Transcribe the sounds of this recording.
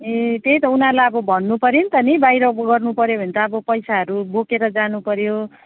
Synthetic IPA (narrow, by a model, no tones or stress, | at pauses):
et̪ejt̪ʌunalaʌbʌbʱʌnːupʌɾint̪ʌnibajɾʌɡʌrnupʌɾjobʱʌnt̪aːbʌpʌjsaɦʌɾubokeɾʌd͡zanupʌɾjo